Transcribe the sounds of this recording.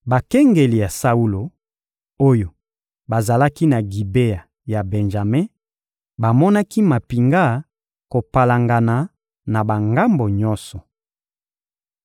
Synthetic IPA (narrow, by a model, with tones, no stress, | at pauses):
ba˨kɛ˦ŋɡe˨li˨ja˨sa˦u˦lo˨ | o˦jo˨ | ba˨za˨la˦ki˦na˨ɡi˨be˦ja˨ | ja˨bɛ˨nʒa˨me˦ | ba˨mɔ˦na˦ki˦ma˨pi˨ŋɡa˦˨ | ko˨pa˨la˨ŋɡa˨na˨ | na˨ba˨ŋɡa˦mbo˨ɲɔ˦sɔ˨